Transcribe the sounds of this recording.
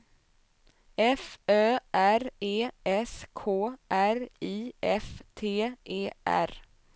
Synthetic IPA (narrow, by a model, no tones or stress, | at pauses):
ɛføːʔæɾeːɛskʰoːʔæɾiːɛft̪ʰeːʔeːʔæ̰ɾ